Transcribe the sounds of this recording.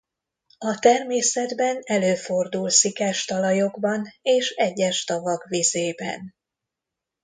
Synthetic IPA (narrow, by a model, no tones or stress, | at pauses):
ɒt̪ɛrmeːsɛd̪bɛnɛløːfo̞rd̪ulsikɛʃt̪ɒlɒjo̞ɡbɒneːʃɛɟːɛʃt̪ɒvɒkvizeːbɛ̰n